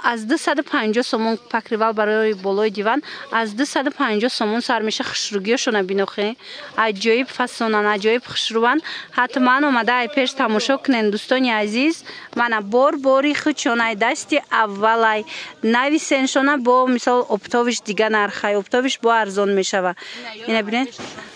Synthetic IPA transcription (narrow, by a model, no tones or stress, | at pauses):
azd̪usad̪upʰand͡ʒɔhsɔmɔnpʰakɾivalbaɾɔibɔlɔid̪ivanazd̪usad̪upʰand͡ʒɔhsɔmɔnsaɾmeʃaχu̥ʃɾuɡiɔʃɔnabinɔχeajd͡ʒɔibfasɔnanad͡ʒɔibχə̥ʃɾuvanhat̪manɔmad̪aːjpʰe̞ʃt̪ʰamɔʃɔkʰunend̪ust̪ɔniazizmanabɔɾbɔɾiχut͡ʃʰɔnajd̪ast̪iʔavːalajnavisenʃɔnabɔmisɔlɔpt̪ʰɔviʃd̪iɡanaɾχajɔpt̪ʰɔviʃbɔaɾzɔnme̞ʃavainabined̪